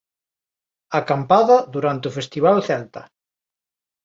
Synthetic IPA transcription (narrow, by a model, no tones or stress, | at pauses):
akampaðaðuɾant̪eufest̪iβ̞alθɛlt̪ɐ